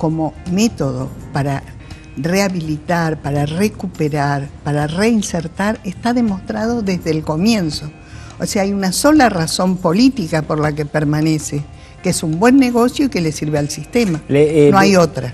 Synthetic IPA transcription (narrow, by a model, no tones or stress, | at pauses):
ko̞mo̞me̞t̪o̞ðo̞̰paɾa | reaβilit̪aɾpaɾarekupeɾaɾpaɾare̞inseɾt̪aɾest̪aðe̞mo̞st̪ɾaðo̞ðezðelko̞mjẽ̞nso̞ | oseaajunaso̞laraso̞mpo̞lit̪ikapo̞ɾlak̬epeɾmane̞se | keesumbwe̞nːe̞ɣo̞sjoike̞lesiɾβealsist̪emanoajo̞t̪ɾa